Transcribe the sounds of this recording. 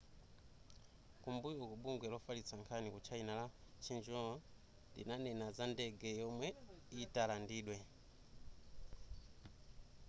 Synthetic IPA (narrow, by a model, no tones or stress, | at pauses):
kumbujɔkuɓuŋɡwɛlɔfalit͡sʰaŋkʰanikut͡ʃʰainalat͡ʃʰind͡ʒɔ | ndḭnanɛnazandɛɡɛjɔmwɛitalandiːɗwɛ